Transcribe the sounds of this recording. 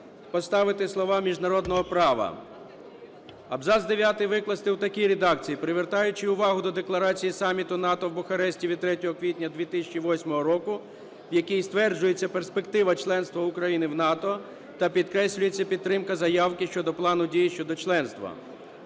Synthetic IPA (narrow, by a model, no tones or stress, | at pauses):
pɔst̪ɑʋɪt̪ɪslˠɔʋɑmʲiʒnɐɾɔd̪nɔɦɔpɾɑʋɐ̰ | ɐbzɑzd̪eʋʲjat̪ɪjʋɪklˠɐst̪ɪwt̪ɐkʲiɾed̪ɑkt͡sʲijipɾɪʋert̪ɑjʊt͡ʃɪʊʋɑɦʊd̪ɔd̪eklˠɐɾɑt͡sʲijisɑmʲit̪ʊnɑt̪ɔwbʊxɐɾɛsʲtʲiʋʲid̪̚t̪ɾɛtʲɔɦɔkʋʲitʲnʲɐd̪ʲʋʲit̪ɪsʲɐt͡ʃiʋɔsʲmɔɦɔɾɔkʊ | wjɐkʲijst̪ʋɛrd͡ʒʊjet͡sʲːɐperspekt̪ɪʋɐt͡ʃlˠɛnst̪ʋɐʊkɾɐjinɪwnɑt̪ɔ | t̪ɐpʲid̪kɾɛsʲlʲʊjet͡sʲːɐpʲid̪ːɾɪmkɐzɐjɑwkɪʃt͡ʃɔd̪ɔplˠɑnʊdʲijiʃt͡ʃɔd̪ɔt͡ʃlˠɛnst̪ʋɐ̰